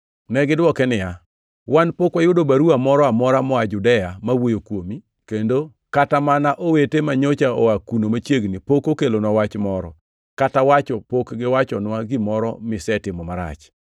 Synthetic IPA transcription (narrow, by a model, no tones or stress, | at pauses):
nɛɡɪdwɔkɛnɪja | wanpokwajʊdobaɾuamɔɾɔamɔɾamɔad͡ʒʊdɛjamawojokwomi | kendo | katamanaʔowetemaɲot͡ʃaoakunomat͡ʃjeɡnipokokelonɔwat͡ʃmɔɾɔ̰ | katawat͡ʃɔpokɡɪwat͡ʃɔnwaɡɪmɔɾɔ̰mɪsɛtɪmɔmaɾa̰t͡ʃ